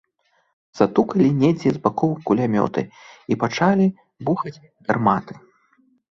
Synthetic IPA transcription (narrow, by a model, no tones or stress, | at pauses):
z̥at̪ukɐlʲinʲɛd͡zʲɛzbakɔwkulʲamʲɔ̰t̪ɨ̰ipat͡ʂalʲi | buxɐt͡sʲ | rmat̪ɨ̥